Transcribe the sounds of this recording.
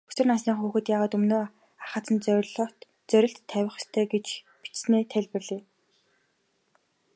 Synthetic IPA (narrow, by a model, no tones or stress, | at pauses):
ɵ̥sɘ̆rnasniːŋχuːxɘ̆t̪jaːʁaːt̪ɵmnoː | aχăːt͡s̪ə̆nt͡sɮʰ | t͡sœɾʲɪ̆ɬt̪ʰːæwʲɪ̆χst̪ʰœːɡet͡ɕ | pi̥t͡ɕsneːt̪ʰæɮʲpɘ̆rɮiː